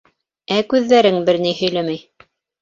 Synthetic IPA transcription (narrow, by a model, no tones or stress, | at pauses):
ækʉðːæɾɘŋbɘɾnijhɵ̆jlæmæj